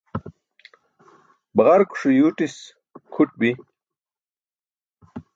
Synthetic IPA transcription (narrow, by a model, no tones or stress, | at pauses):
bɐʁɐɾku̥ʂujuːʈis | kʰuʈ̚bi